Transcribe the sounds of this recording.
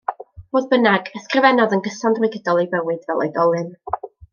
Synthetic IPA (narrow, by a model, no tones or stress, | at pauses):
v̥oːðbənaɡəskrɪvɛnɔðənɡəsandrwɪɡədɔlˠibəwɨdvɛlˠḛjdɔlˠɨn